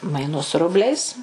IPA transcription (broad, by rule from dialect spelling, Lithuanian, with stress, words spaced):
mɐɪˈnʊs ˈrʊbʲlʲɛɪs